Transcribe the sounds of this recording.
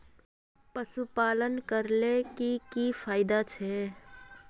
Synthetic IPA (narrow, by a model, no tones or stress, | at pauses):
pəsupaːlənkəɾlekikifʰaːɪd̪at͡ʃʰɛ